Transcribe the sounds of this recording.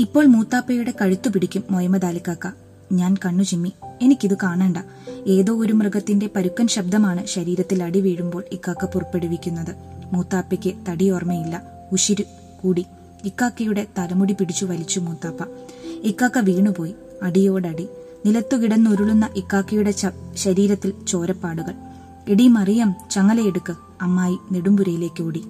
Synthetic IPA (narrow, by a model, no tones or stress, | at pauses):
ipːo̞ːɭmuːt̪ːaːpːɐjuɽe̞kɐɻut̪ːupiɽikʲːumːojɐmɐd̪aːlikʲːaːkːɐ | ɲaːnkɐɳːut͡ɕimːie̞nikʲːiðɨkaːɳeːɳɖɐ | e̞ːðo̞ːoɾumrɐɡɐt̪ːinde̞pɐɾukːɐnɕɐb̚d̪ɐmaːɳɨɕɐɾiːɾɐt̪ːilɐɽiʋiːɻumbo̞ːɭikːaːkːɐpurɐpːe̞ɽuʋikʲːunːɐðɨmuːt̪ːaːpːɐkʲːɨt̪ɐɽijormɐjilːɐ | uɕiɾu | kuːɽi | ikːaːkːɐjuɽe̞t̪ɐlɐmuɽipiɽit͡ɕːuʋɐlit͡ɕːumuːt̪ːaːpːɐikːaːkːɐʋiːɳupo̞ːji | ɐɽijo̞ːɽeɐɽi | nilɐt̪ːukiɽɐnːoɾuɭunːɐʔikːaːkːɐjuɽe̞ɕɐɾiːɾɐt̪ːilt͡ɕo̞ːɾɐpːaːɽuɣɐɭ | eɽimɐrijɐmt͡ɕɐŋːɐlejeɽukːɨ | ɐmːaːjineɽumbuɾɐjile̞ːkʲːɨoːɽi